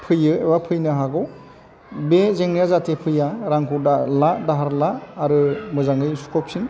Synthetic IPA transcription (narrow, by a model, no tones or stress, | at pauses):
pʰɯjɯebapʰɯjnɯɦaɡɔw | bezeŋnijazatʰepʰɯjaɾaŋkʰudalaʔdaɦaɾlaːɾɯmɯzaŋɯjsu̥kʰɔp̚sin